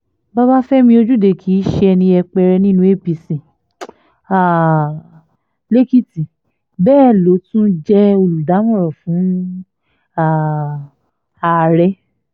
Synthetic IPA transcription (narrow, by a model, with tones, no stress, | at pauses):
ba˦ba˦fɛ˦mĩ˧o˧d͡ʒu˦de˨kʰi˨˦ʃɛ˦ɛ˧nĩ˧ɛ˧k͡pɛ˧ɾɛ˧nĩ˦nũ˧˦e˦˨pi˧sĩ˨ | a˨ | le˦ki˦ti˨ | bɛː˦˨lo˨˦tũ˦d͡ʒɛ˦o˧lu˨da˨˦mɔ̃˦˨ɾɔ˨fũ˨˦ | a˨ | a˨ɾɛ˧˦